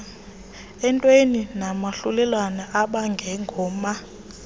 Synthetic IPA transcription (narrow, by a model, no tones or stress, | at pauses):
ɛntʼweninamaɬulɛlwanaʔaɓaŋɡʱɛŋɡʱɔːma